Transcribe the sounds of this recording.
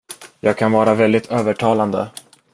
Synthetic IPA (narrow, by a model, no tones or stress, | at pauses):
jɑːɡ̚kʰanvɑːɾavɛld̪ɪt̪ʰøːvəʈʰɑːland̪ə̰